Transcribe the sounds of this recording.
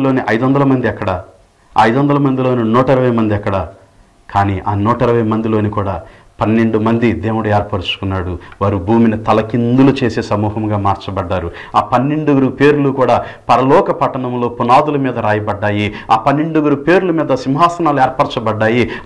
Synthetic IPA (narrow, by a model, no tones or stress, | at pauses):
loːniʔɐjd̪uʋɐnd̪ɐlɐmɐnd̪iɛkːɐɽɐ | ɐjd̪uʋɐnd̪ɐlɐmɐnd̪ilo̞ːninɔːʈɐiɾɐʋɐjmɐnd̪iɛkːɐɽɐ | kʰaːniːʔaːnɔːʈɐiɾɐʋɐjɐmɐnd̪iloːnikuːɽaː | pɐnːeɳɖumɐnd̪id̪eːwuɽɐeːɾpɐɾt͡ʃu̥kunːaːɽuʋaːɾubʱuːminit̪ɐlɐkind̪ulut͡ʃe̞ːseːsɐmuːɦɐmɡaːmaːɾt͡ʃɐbɐɖːaːɾu | aːpɐnːeɳɖuɡɐɾupe̞ːɾulukuːɽaː | pɐɾɐlɔːkɐpɐʈːɐɳɐmlo̞ːpunaːd̪ulɐmiːd̪ɐɾaːjɐbɐɖːaːji | aːpɐnːeɳɖuɡɐɾupe̞ːɾulumiːd̪ɐsimɦaːsɐnaːlueːɾpɐɾt͡ʃɐbɐɖːaːji